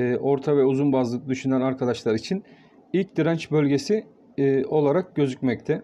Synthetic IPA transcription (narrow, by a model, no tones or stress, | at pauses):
ʔo̞ɾt̪ʰavɛuzunbazlˠɯk̚d̪yʃynænaɾkʰad̪aʃlˠaɾit͡ʃʰin | ilʲc̚d̪iɾant͡ʃbø̞lʲɟe̞si | o̞lˠaɾak̚ɟø̞zycʲmɛc̚t̪ʰɛ